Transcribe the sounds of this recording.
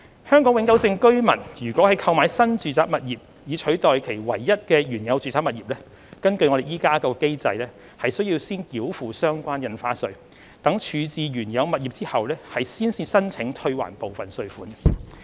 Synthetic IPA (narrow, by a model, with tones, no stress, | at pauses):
hœː˥ŋkɔː˨˥ŋwɪ˨˥ŋkɐ˨˥wsɪ˧ŋkɵ˥ɥmɐ˨˩njyː˨˩kʷɔː˨˥ɐ˨jkʰɐ˧wmaː˨˥jsɐ˥nt͡ʃyː˨t͡saː˧p̚mɐ˨t̚jiː˨p̚ | jiː˨t͡ʃʰɵ˨˥ɥt̪ɔː˨jkʰe˨˩jwɐ̰˨˩jːɐ˥t̚kɛː˧ɥyː˨˩njɐ˨˧wt͡ʃyː˨˩t͡saː˥p̚mɐ˨t̚jiː˨˩p̚lɛː˥ | kɐ˥nkɵ˧ɥŋɔ˨˧ɾe˨jiː˥kaː˥kɔː˧ke˥jt͡sɐ˧jlɛː˥ | hɐ˨jsɵ˥ɥjiː˧wsiː˥nkiː˨˥wfuː˨sœː˥ŋkʷaː˥njɐ˧nfaː˧˥sɵ˧ɥ | t̪ɐ˨˥ŋt͡ʃʰyː˨˧t͡siː˨ɥyː˨˩njɐ˨˧wmɐ˨t̚jiː˨p̚t͡siː˥hɐ˨wlɛː˥hɐ˨jsiː˥nsiː˧˥sɐ˥nt͡sʰɪ˨˥ŋt̪ʰɵ˧ɥwa̰ː˨˩npo˨wfɐ˨˩nsɵ˧ɥfuː˨˥n